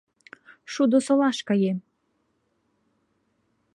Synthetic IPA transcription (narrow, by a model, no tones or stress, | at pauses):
ʃud̪osolɑʃkɑje